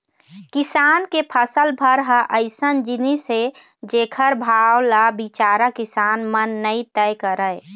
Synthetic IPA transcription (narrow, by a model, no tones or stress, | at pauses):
kisankepʰəsəlbʱəɾɦəʔəɪsənd͡ʒinise | d͡ʒekʰəɾbʱawlabit͡ʃaɾakisanmənːəjt̪əjkəɾəj